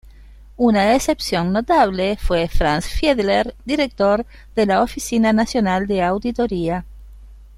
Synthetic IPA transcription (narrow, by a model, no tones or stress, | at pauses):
unaese̞psjo̞nːot̪aβlefwefɾansfjeðleɾd̪iɾek̚t̪oɾ | ðelaofisinanasjonald̪eawd̪it̪oɾia